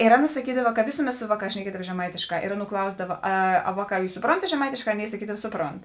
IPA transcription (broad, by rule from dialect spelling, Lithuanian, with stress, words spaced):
ɪr ˈɑːˌnɐ sɐˈkʲiːdɐʋɐ kɐ ˈʋʲeːsʊˌmʲɛt ˈsʊ ˈʋɑːˌkɑːs ʃʲnʲɛˈkʲiɛdɐʋɐ ʒʲɛˈmɐɪtʲeːʃˌkɑː ɪr ˈɑːˌnuː ˈklˠɐʊzdɐʋɐ ˈɐ ˈɐ ˈʋɑːˌkɑː ˈjuːs sʊˈproːntɐt ʒʲɛˈmɐɪtʲeːʃˌkɑː ˈɑːˌnʲeːɪ sɐˈkʲiːdɐʋɐ ˈsʊˌproːnt